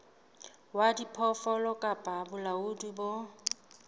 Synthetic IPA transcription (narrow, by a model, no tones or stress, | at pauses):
wadipʰɔfɔlɔkʼapʼabʊlaʊdibo